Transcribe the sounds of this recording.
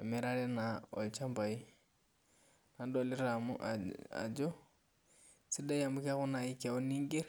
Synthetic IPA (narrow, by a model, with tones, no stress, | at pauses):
a˨mɪ˦ɾalɛ˦naɔ̰˨lt͡ʃa˦mba˨i˦ | nandɔlɪ˦ɾa˨mʊ̰˦ʔa̰a̰˨d͡ʒɔ˦ | sɪda˦ja˨mʊ˦ka˦ɣʊ˦na˨ika˨o˦ni˦ŋɡe˦ɾ